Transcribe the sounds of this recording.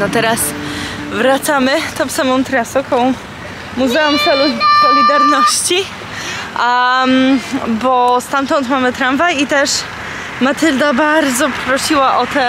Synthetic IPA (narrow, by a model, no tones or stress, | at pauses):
nɔt̪ɛɾas | vɾat̪samɘt̪ɔ̃w̃samɔ̃w̃t̪ɾasɔkɔ̃w̃ | muzɛumsɛlusɔlʲid̪aɾnɔɕt͡ɕi | bɔst̪amt̪ɔnt̪mamɘt̪ɾanvajit̪ɛʂ | mat̪ɘld̪abaɾd̪zɔpɾɔɕiwaʔɔt̪ɛ